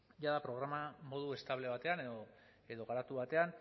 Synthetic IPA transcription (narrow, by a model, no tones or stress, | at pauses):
ʝaðapɾo̞ɣ̞ɾamamo̞ðue̞st̪aβle̞β̞at̪e̞aneðo | e̞ðo̞ɣaɾat̪uβat̪e̞an